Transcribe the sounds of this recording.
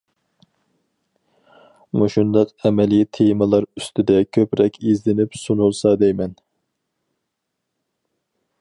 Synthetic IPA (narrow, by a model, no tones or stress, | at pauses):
muʃund̪ɑqɛmɛlijt̪ʰemɨlˠɑɾyst̪ɪd̪ɛkʲʰøpɾɛkʲʰizlɪnɪpsunulˠsɑd̪ɛjmɛn